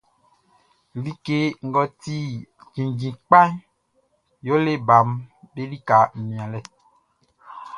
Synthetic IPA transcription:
li˦ke˦ŋ̩˦ɡɔ˨t̪i˦d͡ʒĩ˨d͡ʒĩ˨k͡pa˦ | jo˦le˦ba˨mbe˦ɖi˦ka˨mĩ˨ã˨lɛ˦

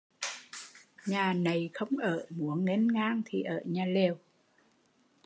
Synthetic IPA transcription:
ɲaː˨˩na˨˩jxə˧wŋ͡mʔəː˧˩˨mu˨˦əŋe˨˥nŋaː˧ŋt̪ʰi˨˩ʔəː˧˩˨ɲaː˨˩le˨˩əw

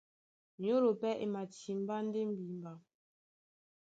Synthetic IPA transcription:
ɲo˦ɾo˨pɛ˦ʔḛ˨ma˨ti˨m̩˦ba˦n̩˦de˦m̩˦bi˨m˨ba˨

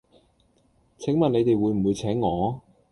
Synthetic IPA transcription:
t͡sʰɪ˨˥ŋmɐ˨t̚ne˨˧jt̪e˨jwuː˨˧jm̩˨˩wuː˨˧jt͡sʰɛː˨˥ŋːɔː˨˧

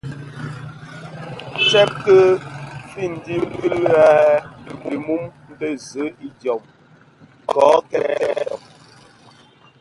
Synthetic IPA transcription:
t͡sɛ˦p̚tə˦fi˦˨n̩˨di˦mkɨ˦la˦˨bi˨mu˦mm˦bə˦zə˨˦i˦djɔ˨m | kɔː˨˦kɛ˦ɛ˦ɾɔ˨

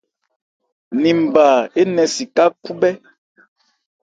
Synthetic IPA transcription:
ni˨m̩˨baː˨e˦nɛ˨si˨ka˦ku˦bɛ˦

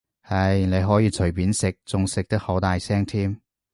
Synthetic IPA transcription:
hɐ˧˥jne˨˧jɦɔː˨˥jiː˧t͡ʃʰɵ˨˩jpiː˨˥nsɪ˨k̚t͡sʊ˨ŋsɪ˨k̚t̪ɐ˥k̚ho˨˥t̪aː˨jsɛː˥ŋt̪ʰiː˥m

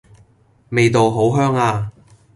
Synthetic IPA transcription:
me˨jt̪o˨wɦo˨˥wɦœː˥ŋaː˧

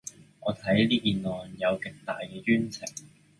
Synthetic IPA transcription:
ŋɔː˨˧t̪ʰɐ˨˥jliː˥kiː˨nlɔː˨njɐ˨˧wkɪ˨k̚t̪aː˨˩jkɛː˧t͡ʃyː˥nt͡sʰɪ˨˩ŋ

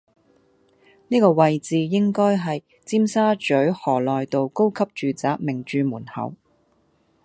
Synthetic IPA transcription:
niː˥kɔː˧wɐ˨jt͡siː˨jɪ˥ŋkɔː˥jɦɐ˨j | t͡siː˥msaː˥t͡ʃɵ˨˥ɥhɔː˨˩lɔː˨jt̪o˨wko˥wkʰɐ˥p̚t͡ʃyː˨t͡saː˨˥k̚mɪ˨˩ŋt͡ʃyː˨˧muː˨˩nhɐ̰˨˩w

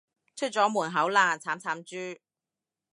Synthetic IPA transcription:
t͡ʃʰɵ˥t̚t͡sɔː˨˥muː˨˩nɦɐ˨˥wlaː˨˧nt͡sʰaː˨˥mt͡sʰaː˨˥mt͡ʃyː˥

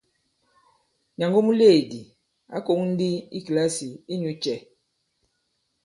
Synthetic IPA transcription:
ɲa˨ŋɡo˦mu˦le˦˨di˨ | a̰˦ko˨˦ŋn̩˦di˦ḭ˦kla˦si˨i˦ɲu˨t͡ʃɛ˨

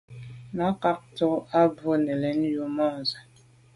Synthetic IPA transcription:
na˨˦ka˦k̚to˦a˦bo˦nɛ˨lɛ˨˦ŋju˦mɔ˦˨za˨

